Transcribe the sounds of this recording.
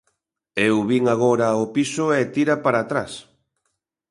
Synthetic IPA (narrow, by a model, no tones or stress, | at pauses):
ewβiŋaɣoɾɐopisʊɛt̪iɾapaɾaːt̪ɾas